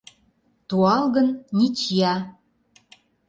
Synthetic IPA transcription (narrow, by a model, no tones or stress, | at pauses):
t̪uɑlɣə̆nnit͡ɕjɑ